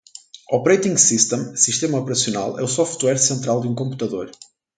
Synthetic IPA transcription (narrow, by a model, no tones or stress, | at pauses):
ɔpɾejt̪ĩŋɡsiʃt̪ẽmsiʃt̪emɐɔpɾɐsiuna̰lˠɛ̰usɔft̪wɛɾsẽnt̪ɾalˠd̪ũkõmpu̥t̪ɐðoɾ